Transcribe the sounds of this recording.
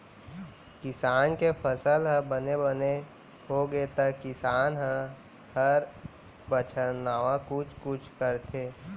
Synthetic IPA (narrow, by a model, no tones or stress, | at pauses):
kɪsaːnkepʰəsəlɦə̃bənebəne | ɦoɡet̪əkɪsaːnɦə̃ | həɾ | bət͡ʃʰənaːʋãkʊt͡ʃʰkʊt͡ʃʰkəɾt̪ʰeː